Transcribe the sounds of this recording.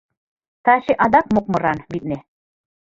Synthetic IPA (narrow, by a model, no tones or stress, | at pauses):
t̪ʰaːʃiʔad̪ak̚muq̚muɾanbit̪̚nɛ